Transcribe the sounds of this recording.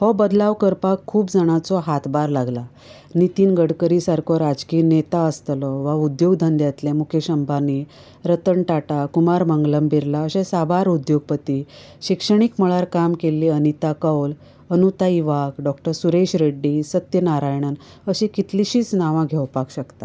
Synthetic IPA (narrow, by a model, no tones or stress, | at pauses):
hɔbəd̪laʋkəɾpakʰːuːpd͡zaɽ̃at͡sɔɦat̪baɾlaɡla | nit̪iːnɡəɽkəɾisaɾkʰɔɾad͡zkiːnet̪aəst̪lɔʋaud̪joɡd̪ʱənd̪jat̪lɛmukʰeɕəmbʱani | ɾət̪əɳʈaʈakumaɾməŋɡləmbiɾlaəɕẽsabʱaɾud̪joɡ̚pət̪iː | ɕikʂəɳ̃ikməɭaɾkamkelːiːənit̪akəwl | ənut̪aiʋakɖɔkʈəɾsuɾeɕɾeɖːiːsət̪jənaɾajɳ̃ən | əɕikit̪liɕiːt͡snaʋãɡʱewpakɕəkt̪a